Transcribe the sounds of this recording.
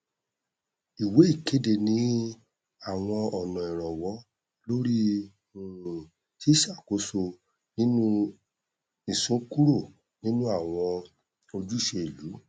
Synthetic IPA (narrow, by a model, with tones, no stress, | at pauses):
i˨we˨˦i˦˨ke˨˦de˦˨nĩ˧˦ | a˦˨w̃ɔ̃˧ɔ˨nɔ̃˨ɛ˨ɾ̃ɔ̃˨wɔ˨˦ | lo˦ɾi˦ | ũ˦˨ | ti˦ʃa˦˨ko˨˦so˧ | nĩ˦nũ˦ | ĩ˨sũ˨˦ku˦ɾo˦˨ | nĩ˦nũ˦a˦˨w̃ɔ̃˧ | o˧d͡ʒu˦i˦˨ʃe˧e˨lu˨˦